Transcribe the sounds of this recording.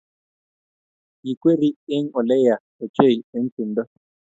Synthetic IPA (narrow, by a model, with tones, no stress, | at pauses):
ji˨kwe˦ɾi˦e˦ŋɔ˨lɛ˦ja˨ | e˨t͡ʃe˦˨ji˨e˨˦n̩˦t͡si˨ndɔ˦